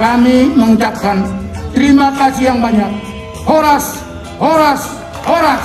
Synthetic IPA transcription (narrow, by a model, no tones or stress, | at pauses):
kamiməŋut͡ʃap̚kant̪əɾimakasijaŋbaɲak̚ | oɾas | oɾas | oɾa